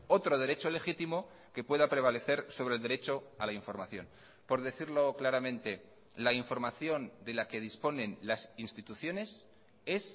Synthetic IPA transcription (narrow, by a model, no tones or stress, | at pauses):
o̞t̪ɾo̞ð̞e̞ɾe̞t͡ʃo̞le̞xit̪imo̞ | ke̞pwe̞ðapɾe̞β̞ale̞θe̞ɾso̞βɾelðeɾe̞t͡ʃo̞alaiɱfo̞ɾmaθjo̞̰n | po̞ɾðe̞θiɾlo̞klaɾamẽ̞nt̪e̞ | laiɱfo̞ɾmaθjo̞nd̪e̞lake̞ð̞ispo̞nẽ̞nlasinst̪it̪uθjo̞ne̞s | e̞s